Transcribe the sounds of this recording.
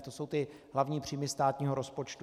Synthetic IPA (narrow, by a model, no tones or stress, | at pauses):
t̪o̞so̞wt̪ɪ | ɦlavɲiːpr̝̥iːmɪst̪aːt̪ɲiːɦo̞ɾo̞spo̞t͡ʃt̪